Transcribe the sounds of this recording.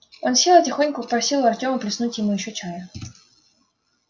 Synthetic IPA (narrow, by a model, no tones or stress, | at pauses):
o̞nfsʲelˠətʲɪxo̞nʲkʊpɐ̥pɾɐsʲilˠʊɐrtʲo̞mʊplʲɪsnutʲjɪmujɪɕːot͡ɕajə